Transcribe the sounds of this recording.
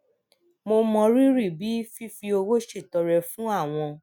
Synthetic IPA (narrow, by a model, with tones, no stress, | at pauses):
mo˧mɔ̃˧ɾi˦ɾi˦˨bi˨˦fi˦fi˧o˧wo˦ʃe˦˨tɔ˨ɾɛ˨fũ˦a˦˨w̃ɔ̃˧